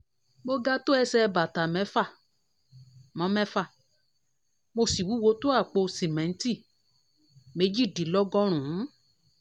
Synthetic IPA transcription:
bo˦ɡa˦to˦ɛ˧sɛ˧ba˨ta˨mɛ˨˦fa˦˨ | mã˨˦mɛ˦fa˦˨ | mo˧si˨wu˨˦wo˨˧˦to˦a˦˨k͡po˧si˨mɛ̃˨˦n̩˦ti˦˨ | me˨˦d͡ʒi˦˨di˨lɔ˦ɡɔ˦ɾ̃ũ˨˦

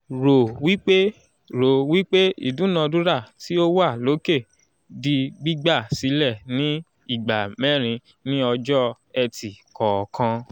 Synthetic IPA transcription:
ɾo˨wi˦k͡pe˦ | ɾo˨wi˦k͡pe˦ḭ˦˨dũ˨˦nã˧du˦ɾa˦˨ti˦o˦wa˦˨lo˨˦ke˦˨ | di˧ɡ͡bi˦ɡ͡ba˦˨si˨˦lɛ˦˨nĩ˨˦ | i˦˨ɡ͡ba˨mɛ̃˦˨ɾ̃ĩ˧ | nĩ˦ɔ˧d͡ʒɔ˦ | ɛ˧ti˨kɔ˨kʰã˧

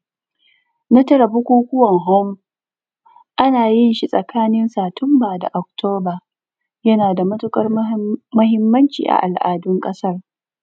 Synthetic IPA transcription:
na˦tɐ˦ɾɐ˨bu˦kʷoː˦kʷʊ˦wɐ˨ŋɦɔ˦m | ʔa˦naː˨jɪ˦nʃi˦sʼɐ˨kʰaː˦nɪ˦nsaː˨tʰʊ˦mbaː˨da̰˨ʔɔ˨k̚tʰoː˦baː˨ | jɐ˦naː˨da˨mɐ˦tʊ˦kʼɐ˦rmɐ˦ɦɪ˦mːɐ˦nt͡ʃḭː˨ʔa̰˨ʔa˨lʔa̰ː˨dʊ˦ŋkʼɐ˦sɐ˦r

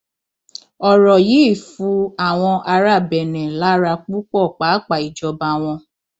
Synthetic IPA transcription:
ɔ˨ɾɔ˨ji˨˦i˦˨fu˧a˦˨w̃ɔ̃˧ʔa˧ɾa˦˨bɛ˨nɛ̃˨la˨˦ɾa˧k͡pu˦k͡pɔ˦˨k͡pa˨˦k͡pa˨i˨d͡ʒɔ˧ba˧w̃ɔ̃˧

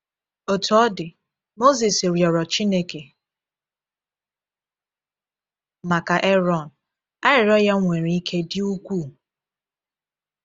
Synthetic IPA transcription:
o˨tu˨ɔ˦dɪ˨ | mo˦zi˨sɾjɔ˨ɾɔ˨t͡ʃi˦ne˦ke˨ | ma˨ka˨ʔe˦ɾɔ˨n̩˨ | a˦ɾɪ˨ɾɔ˦ja˦ŋʷe˨ɾi˨i˦kʰe˦dɪ˦u˦kʷu˦˨

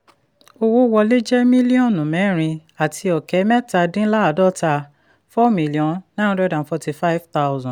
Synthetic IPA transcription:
o˧wo˦wɔ˧le˦d͡ʒɛ˦mĩ˦li˦ɔ̃˦˨nũ˨mɛ̃˨˦˨ɾ̃ĩ˧a˨tʰi˧ɔ˨kɛ˨˦mɛ˦ta˧dĩ˦la˦˨dɔ˦ta˧ | fɔ˦mĩ˨˦li˨ɔ̃˨˦nã˦ɔ̃˦dɛ˦dã˨n˨fɔ˧ti˦fa˦i˦vta˦ʊzɔ̃˨

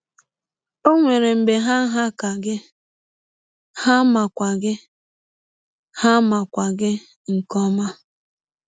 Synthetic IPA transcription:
o˦ŋʷe˨ɾe˨m̩˨be˨ɦa˦ɦa˦ka˨ɡɪ˦ | ha˦ma˨kʷa˨ɡɪ˦ | ha˦ma˨kʷa˨ɡɪ˦ | ŋ̩˨kɔ˦ma˦

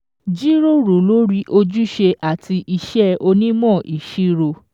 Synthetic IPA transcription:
d͡ʒi˦ɾo˦ɾo˨lo˨˦ɾi˦ʔo˧d͡ʒu˦ʃe˧ʔa˦˨ti˧i˧ʃɛ˦o˧nĩ˦mɔ̃˦˨ʔi˨ʃi˧ɾo˧˨

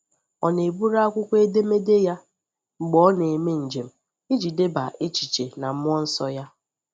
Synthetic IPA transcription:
ɔ˨ne˨bu˦ɾa˦kʷʊ˦kʷe˦de˦me˦de˦ja˦ | ŋ͡m̩˨ɡ͡bɔ˦ne˨e˨me˦n̩˨d͡ʒe˨m̩˨ | i˦d͡ʒi˨de˦ba̰˨ʔe˦t͡ʃi̥˨t͡ʃe˨na˨m̩˦ʊ˦ɔ˦n̩˦sɔ˦ja˦

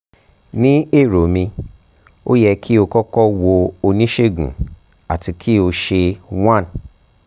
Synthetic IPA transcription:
nĩ˦e˦˨ɾo˨mĩ˧ | o̰˦jɛ˧kʰi˦o˧kɔ˦kɔ˦wo˧o˧nĩ˦ʃe˦˨ɡṵ̃˨ | a˨ti˧kʰi˦o˧ʃe˧wã˦˨n

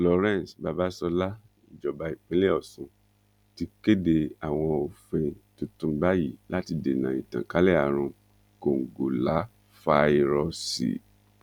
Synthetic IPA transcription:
lɔ˨ɾɛ̃˦˨sba˧ba˦sɔ˧la˦ | i˨d͡ʒɔ˨ba˨˧i˨k͡pẽ˨˦le˦ɔ˦˨sũ˧˦ | ti˧ke˦de˧a˨w̃ɔ̃˧o˨fẽ˧tu˧tũ˧˦ba˦ji˦˨la˦ti˧de˨nã˨ḭ̃˨tã̰˨ka˨˦lɛ˦a˨ɾ̃ũ˧ | ko˨ŋ̩˨ɡo˨la˨˦ | fa˧i˧ɾɔ˧sḭ˨

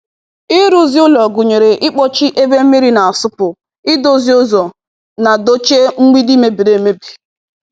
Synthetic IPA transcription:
ɪ˦ɾu˦zi˦ʊ˦lɔ˨ɡʊ˨ɲe˨ɾe˨ʔɪ˦k͡pɔ˦t͡ʃi˦ʔe˦be˦m̩˦mi˦ɾi˦na˨a˨sʊ˦pʊ˨ | ɪ˦do˦zi˦ʊ˦zɔ˨ | na˨do˦t͡ʃe˦ŋ̩˦ŋʷi˦di˦me˦bi˨ɾe˨me˦bi̥˨

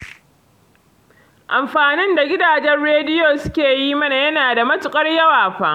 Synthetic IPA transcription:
ʔa˨mɸaː˨nɪ˦nda˨ɡʲɪ˦daː˨d͡ʒɛ˦nɽeː˦dɪ˦joː˨sʊ̥˦kʲeː˨jiː˦mɐ˦na˨jɐ˦naː˨da˨mɐ˦tʊ˨kʼɐ˦rjɐ˦waː˨ɸaː˦ʔ

